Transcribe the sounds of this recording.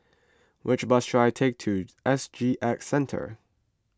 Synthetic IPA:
wʔɪt͡ʃbʌstʰɹ̥aɪtʰeɪk̚tʰɨʔɛsd͡ʒiʔɛksɛ̃ntʰə̰˞

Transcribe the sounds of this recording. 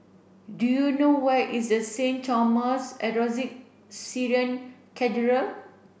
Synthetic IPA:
dujunowɛʔisdəsẽnt͡ʃaməsɛɹɔzik̚ | siɹiə̃nkʰɛtəɹə

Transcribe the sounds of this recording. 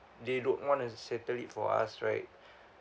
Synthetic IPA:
dedõnwɔ̃nusɛtəlitfɔ̰a̰sɹaɪt̚

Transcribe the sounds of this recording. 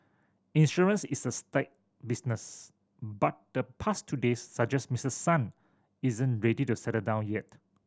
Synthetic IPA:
ĩnʃɔɹə̃nsisəstaɪt̚ | bisnəs | bat̚d̥əpʰastʰudesːad͡ʒɛsmisəsãn | izə̃nɹɛditusɛtədãʊ̃njɛt̚

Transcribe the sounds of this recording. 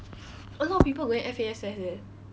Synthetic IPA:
əlɔɔpipəlɡoɛ̃nʔɛfeɛsɛsɛ

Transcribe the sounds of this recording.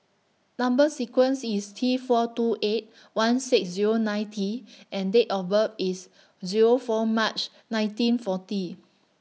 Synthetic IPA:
nãmbəsikwə̃nsistʰifɔtuʔet̚ | wãnsiksziɹonãj̃ntʰiʔɛ̃ndetɔvəfis | ziɹofɔmat͡ʃ | nãj̃ntĩnfɔti

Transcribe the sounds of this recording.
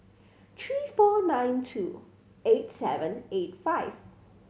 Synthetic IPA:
t̪ʰɹiːfɔnãɪ̃ntʰṵ | etsɛvə̃netfaɪv

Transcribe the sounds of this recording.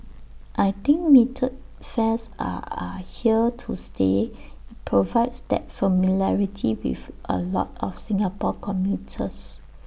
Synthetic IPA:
ʔajt̪ĩŋk̚mitʰət̚fɛ̃sa̰hiətʰustʰeit̚pʰɹovaɪdsdɛ̰tfəmilaɹitʰiwḭfʔə̰lɔ̰tɔfsĩŋapɔkʰɔ̃mjutʰəs

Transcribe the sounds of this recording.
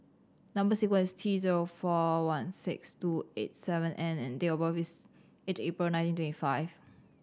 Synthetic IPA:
nãmbəsikwə̃nistʰiziɹofɔwãnsɪ̰kstuḛt̚sɛvə̃nʔɛ̃nɛ̰̃ndeɔbɔfis | etepɹilnãɪ̃tĩntwɛ̃ntifaɪv̥

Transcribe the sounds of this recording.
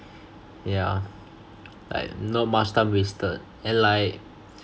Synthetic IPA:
ja | la̰ɪk̚nɔt̚mastãmwistət̚ | ɛ̃nlaɪk̚

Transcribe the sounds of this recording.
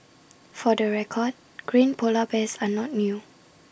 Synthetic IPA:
fɔdəɹɛkʰɔd̚ | ɡ̥ɹĩnpʰolabɛsanɔt̚nju

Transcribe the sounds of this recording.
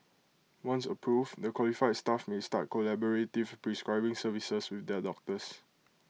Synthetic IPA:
wãnsəpʰɹufdəkʰwɔlifajdstafmestat̚kolɛbɔɹetivpɹiskɹaɪbɪ̃ŋsəvisəswɪθdɛdɔk̚təs

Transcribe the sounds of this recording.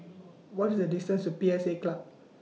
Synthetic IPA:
wɔtisdədistə̃nstupiɛseklap̚

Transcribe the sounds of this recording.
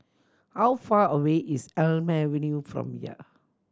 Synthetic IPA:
hawfaəweʔisɛlmɛɹinjufɹɔ̰̃mjḭ

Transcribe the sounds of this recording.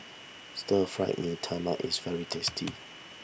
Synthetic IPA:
stəfɹaɪʔnitʰamaʔisvɛɹitʰɛstʰḭ

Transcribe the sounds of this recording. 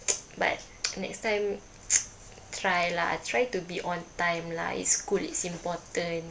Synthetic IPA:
ba̰t̚ | nɛ̰kstãj̃m | tʰɹajlaa̰tɹajtubiʔɔ̃ntãjmla̰ḭtskulitsĩmpɔtə̃n

